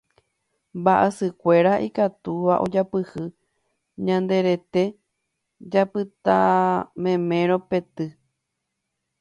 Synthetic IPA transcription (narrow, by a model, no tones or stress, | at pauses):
mbaʔesɨkʷe̞ɾaʔikat̪uʋaʔo̞d͡ʒapɨhɨ | ɲãnd̪e̞ɾe̞t̪e̞ | d͡ʒapɨt̪amẽmẽ̞ɾope̞t̪ɨ